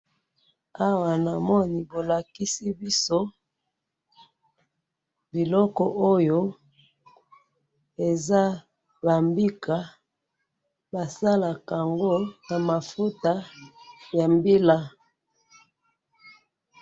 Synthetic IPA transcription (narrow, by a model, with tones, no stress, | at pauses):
a˦wa˨na˨mɔ˦ni˨bo˨la˨ki˦si˦bi˦so˦ | bi˨lɔ˦kɔ˨ʔo˦jo˦ | e˨za˦ | ba˨mbi˦ka˨ | ba˨sa˦la˨ka˨ŋɡo˦na˨ma˨fu˦ta˦ | ja˨mbi˦la˦